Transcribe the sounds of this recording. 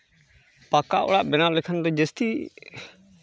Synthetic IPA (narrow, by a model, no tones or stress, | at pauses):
pakaʔɔ̰ɽaʔbɛnawlɛkʰand̪ɔd͡ʒəst̪i